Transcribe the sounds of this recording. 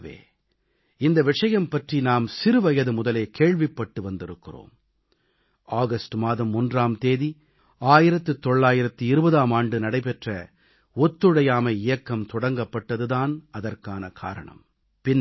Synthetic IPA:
ʋḛː | ɪnd̪ɐʋɪʂɐjɐmpɐʈrinaːmsɪɾɯʋɐjɐðɯmʊðɐleːkeːɻʋɪpːɐʈːɯʋɐnd̪ɪɾɯkːɪro̰ːm | aːɣɐsʈɯmaːðɐmːʊndraːmt̪eːði | aːjɪɾɐt̪ːɯt̪ːɔɭːaːjɪɾɐt̪ːɯɪɾɯbɐðaːmaːɳɖɯnɐɽɐɪpɛʈrɐ | ɔt̪ːɯɽɐjaːmɐɪjɐkːɐmt̪ɔɽɐŋɡɐpːɐʈːɐðɯðaːnɐðɐrkaːnɐkʰa̰ːɾɐ̰ɳɐ̰m | pɪnː

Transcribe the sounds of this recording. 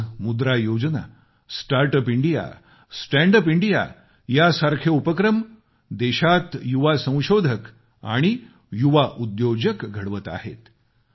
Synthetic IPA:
mud̪ɾajod͡ʑna̰ | sʈaɾʈəpiɳɖija̰ | sʈæ̃ɳɖəpiɳɖija̰ | jasaɾkʰjəupəkɾəm | d̪ɛɕat̪juʋasə̃w̃ɕod̪ʱək | a̰ɽ̃i | juʋaʔud̪jod͡ʑəkɡʱəɽʋət̪a̰hḛt̪

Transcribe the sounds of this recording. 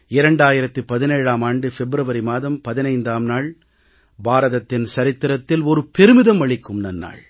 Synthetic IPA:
ɪɾɐɳɖaːjɪɾɐt̪ːɯpɐðɪneːɻaːmaːɳɖɯfɛbɾɐʋɐɾimaːðɐmpɐðɪnɐɪnd̪aːmnaːɭ | baːɾɐðɐt̪ːɪnsɐɾɪt̪ːɪɾɐt̪ːɪlɔɾɯpɛɾɯmɪðɐmɐɭɪkːɯmnɐnːa̰ːɭ

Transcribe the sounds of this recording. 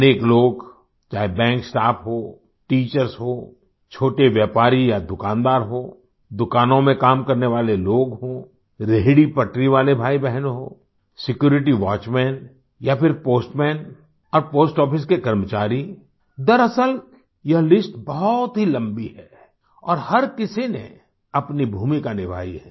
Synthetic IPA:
neːkloːɡ | t͡ʃaːɦebɛ̃ːŋksʈaːpʰɦoː | ʈiːt͡ʃəɾsɦoː | t͡ʃʰoːʈeʋjɛːpaːɾijad̪ʊkãːnd̪aːɾɦoː | d̪ʊkaːnõmẽkaːmkɐɾneʋaːleloːɡɦoː | ɾeɦɽipɐʈɾiʋaːlebʱaːibɛɦənɦoː | sɪkjuːɾɪʈ̬iʋaːt͡ʃmɛːn | japʰɪɾpoːsʈmɛːn | ɔːɾpoːsʈɔːpʰɪs̬kekɐɾmət͡ʃaːɾi | d̪ɐɾɐsəl | jɐɦlɪsʈbɔɦɔt̪ɦilɐ̃mbiɦɛː | ɔːɾhɐɾkɪsinḛ̃ | ɐpnibʱuːmikanɪbʱa̰ːiɦɛː

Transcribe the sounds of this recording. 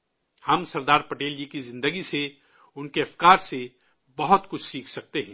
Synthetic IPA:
hɐmsɐɾd̪aːɾpɐʈeːld͡ʒikizɪ̃nd̪əɡise | ʊnkeɐfʰkaːɾse | bɐɦʊt̪kʊt͡ʃʰsiːkʰsɐk̚t̪eɦɛ̃ː

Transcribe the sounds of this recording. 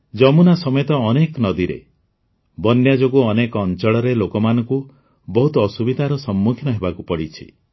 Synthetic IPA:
d͡ʒɔmunasɔmɔjɔt̪ɔːneknɔd̪iɾḛ | bɔnjad͡ʒoɡuɔnekɔːnt͡ʃɔɭɔɾelokɔmanɔŋku | bɔɦut̪ɔːsubid̪ʱaɾɔsɔmːukʰinɔɦebakupɔɽit͡ʃʰḭ

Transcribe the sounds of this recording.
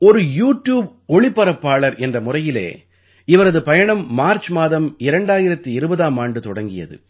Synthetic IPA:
ɔɾɯjuːʈjuːb | ɔɭɪpːɐɾɐpːaːɭɐɾʔɛndrɐmʊrɐjɪlḛː | ɪʋɐɾɐðɯpɐjɐɳɐmːaːɾt͡ʃmaːðɐmɪɾɐɳɖaːjɪɾɐt̪ːiɪɾɯbɐðaːmaːɳɖɯt̪ɔɽɐŋɡɪjɐ̰ðɯ̰

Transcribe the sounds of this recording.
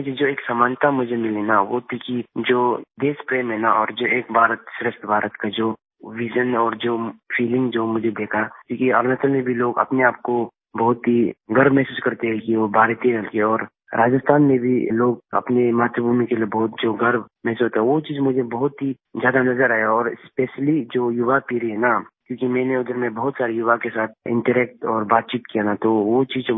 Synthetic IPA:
ʊd͡ʒʱed͡ʒoːeːksamaːnt̪amʊd͡ʒʱemɪlenaʋot̪ʰikid͡ʒoːd̪eːspɾeːmɦɛnaʔɔ̰ːɾd͡ʒoːeːk̚bʱaːɾət̪ʃɾɪʃt̪ʰbʱaːɾət̪kad͡ʒoː | ʋid͡ʒənɔːɾd͡ʒoːfʰiːlɪ̃ŋɡd͡ʒoːmʊd͡ʒʱed̪eːkʰakũːkiɐɾnət̪əlmẽbʱiloːɡɐ̰pneaːp̚ko | bɐɦʊt̪ɦiɡɐɾbmɛɦsuːskɐɾt̪eɦɛ̃kiʋobʱaːɾt̪iɦəlkeɔːɾ | ɾaːd͡ʒəst̪ʰaːnmẽbʱiloːɡɐ̰pnemaːt̪ɾəbʱuːmikeliebɔɦʊt̪̚d͡ʒoːɡɐɾbmɛɦsusuɦot̪aɦɛʋot͡ʃiːzmʊd͡ʒʱebɐɦʊt̪ɦizjaːd̪anɐzəɾaːɦjaɔːɾɪspeːʃlid͡ʒoːjʊʋapiːɾiɦɛnakjõːkimɛ̃ːneʊd̪əɾmẽbɔɦʊt̪saːɾijʊʋakesaːt̪̚ʰɪ̰̃ɳʈəɾɛːk̚ʈɔːɾbaːt̪̚t͡ʃiːt̪kijanat̪oʋot͡ʃiːz

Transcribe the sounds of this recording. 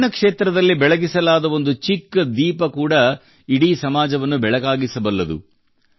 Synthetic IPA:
nɐkʂeːt̪ɾɐd̪ɐlːibɛɭɐɡisɐlaːd̪ɐʋo̞nd̪ut͡ʃikːɐd̪iːpɐkuːɽɐ | iɽiːsɐmaːd͡ʒɐʋɐnːubɛɭɐɡaːɡisɐbɐlːɐd̪ṵ

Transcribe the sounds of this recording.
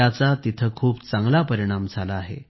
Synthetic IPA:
at͡sat̪it̪ʰəkʰuːpt͡sãŋɡlapəɾiɽ̃amd͡zʱalaːɦḛ

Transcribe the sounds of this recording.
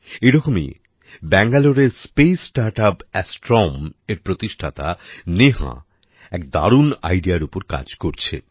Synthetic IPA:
eɾɔkomḭ | bɛŋɡaloɾeɾspejsʈaɾʈapɛsʈɾɔmeɾpɾot̪iʃʈʰat̪a̰neɦa̰ | ɛk̚d̪a̰ɾuna̰jɖiaɾupoɾka̰d͡ʑkoɾt͡ɕʰḛ

